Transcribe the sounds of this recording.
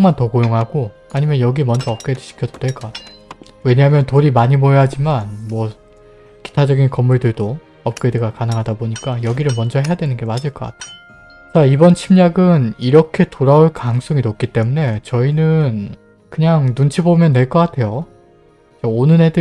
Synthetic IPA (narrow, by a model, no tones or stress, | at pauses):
oŋmantʌkojoŋɦaɡo | aɲimjʌnjʌɡimʌnd͡ʑʌʌp̚k͈edɯɕʰi̥kʰjʌdodwe̞ɭk͈ʌk͈atʰeo | we̞ɲaɦamjʌntoɾimaɲimojeɦad͡ʑimanmwʌ | ki̥tʰad͡ʑʌɡinkʌmːuɭdɯɭdo | ʌp̚k͈edɯɡakanɯŋɦadaboɲik͈ajʌɡiɾɯɭmʌnd͡ʑʌɦejadwe̞nɯnɡe̞mad͡ʑɯɭk͈ʌk͈a̰tʰe̥ | t͡ɕaibʌnt͡ɕʰimɲaɡɯniɾʌkʰe̞toɾaoɭkaŋs͈ʰoŋinop̚k͈it͈e̞mune̞t͡ɕʌinɯn | kɯɲaŋnunt͡ɕʰibomjʌnːwe̞ɭk͈ʌk͈atʰe̞jo | t͡ɕaonɯnedɯ